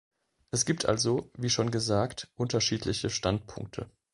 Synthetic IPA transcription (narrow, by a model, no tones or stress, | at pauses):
ʔɛsɡ̥iːptʰʔa̰lzoviːʃoːnɡəzaːktʔʊntɐʃiːtʰlɪçəʃtantpʰʊ̰ŋk̚tʰə̰